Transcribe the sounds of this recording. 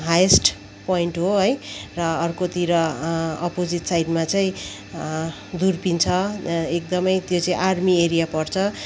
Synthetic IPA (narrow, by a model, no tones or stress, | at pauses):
ɦajesʈ | poiɳʈɦoɦʌjrʌːrkot̪iɾʌʌpod͡zit̪sajɖmat͡saĩ | d̪urpint͡sʰʌek̚d̪ʌmʌjt̪jot͡saĩʔarmieɾijapʌrt͡sʰʌ